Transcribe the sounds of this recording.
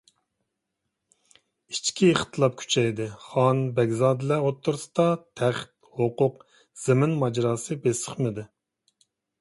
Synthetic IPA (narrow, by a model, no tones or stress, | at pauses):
it͡ʃkʲʰiχt̪ʰɨlˠɑp̚kʲʰy̥t͡ʃʰɛjd̪ɨχɑnbɛɡʲzɑːd̪ɨlɛot̪ʰːuɾsɨ̥d̪ɑt̪ʰæχt̪̚hoqʊq | z̥ɪmɪnmɑd͡ʒɾɑːsɨbesə̥χmɨd̪ɨ